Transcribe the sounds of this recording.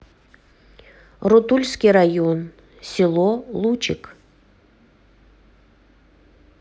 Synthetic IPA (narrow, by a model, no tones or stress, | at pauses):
rut̪ulʲskʲiɾajon | sʲilˠolˠut͡ʃɪk